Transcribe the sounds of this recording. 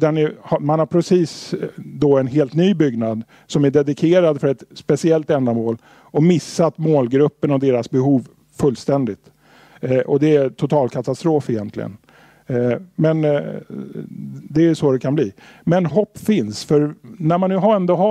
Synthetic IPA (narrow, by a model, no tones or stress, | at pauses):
d̪ɛnæhamanhaɾpʰɾɛsiːsd̪ɔɛnɦeːlt̪nyːbʏɡnad̪ | sɔmæɖɛd̪ɪkʰeːɾad̪fœɾɛt̪spɛsɪɛlt̪ɛnd̪amoːl | ɔmɪsːat̪moːlɡɾɵpːənɔd̪eːɾasbɛɦuːv | fɵlːst̪ɛnd̪ɪt̪ | ʔɔd̪ɛæt̪ʰʊt̪ʰɑːlkʰat̪ast̪ɾoːfɪjɛnt̪ʰlɪ̰ɡə̰n | mɛn | d̪ɛæʂod̪ɛkʰanbliː | mɛnɦɔpːfɪnsfœɾnæɾmanːʉ̟ːɦaɾɛnd̪oɦa